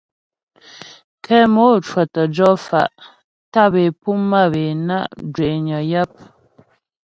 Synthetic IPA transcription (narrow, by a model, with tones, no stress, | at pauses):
kʰɛ˦mo˦˨t͡ʃwɔ˨tə˨d͡ʒɔ˦fa̰˨ʔ | ta˦˨be˨pu˦mːa˦˨be˨na̰˦˨ʔd͡ʒwe˨ʔɲɔ˨ja˦p̚